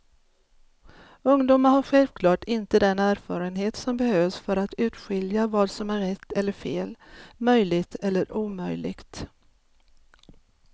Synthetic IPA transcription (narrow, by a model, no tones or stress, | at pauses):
ɵŋd̪uːmaɾhaɾɧɛlvkʰlɑːʈʰɪnt̪əd̪ɛnæːɾfɑːɾənɦeːt̪sɔmbɛhøːvsfœɾat̪ʉ̟ːt̪ɧɪljavɑːd̪sɔmæɾːɛt̪ʰːɛlːəɾfeːlmœjlɪɡt̪ʰɛlːəɾʔuːmœjlɪ̰ɡ̥t̪